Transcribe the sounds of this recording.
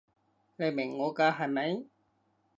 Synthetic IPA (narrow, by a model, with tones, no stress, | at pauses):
le˨˧mɪ˨˩ŋːɔː˨˧kaː˧ɦa˨˩jmɐ˨˧˥j